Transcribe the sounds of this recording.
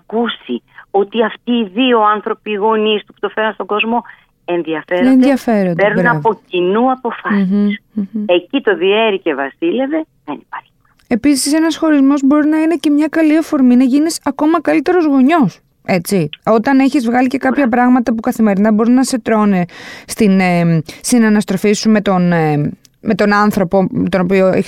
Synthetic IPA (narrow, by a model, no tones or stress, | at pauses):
ɐkusi | o̞t̪iɐft̪iːðio̞anθɾo̞piːɣo̞nist̪u̥pu̥t̪o̞fe̞ɾɐnst̪oɡo̞zmo̞ | e̞nðiɐfeɾoenðjɐfe̞ɾondeɾuɾnɐvo̞cinuɐpo̞fɐsise̞cit̪o̞ðie̞ɾice̞vɐsile̞ve̞ | ðenipaɾçi̥ɐ | e̞pisise̞nɐsxo̞ɾizmo̞zbo̞ɾinɐine̞ce̞mɲɐkɐliɐfo̞ɾminɐʝinisɐko̞mɐkɐlit̪e̞ɾo̞zɣo̞ɲo̞s | e̞t͡sio̞t̪ɐneçizvɣɐlice̞kɐpçɐpɾɐɣmɐt̪ɐpukɐθime̞ɾinɐbo̞ɾinɐse̞t̪ɾo̞nest̪inest̪inɐnɐst̪ɾo̞fisume̞t̪o̞n | me̞t̪o̞nɐnθɾo̞po̞met̪o̞no̞pioe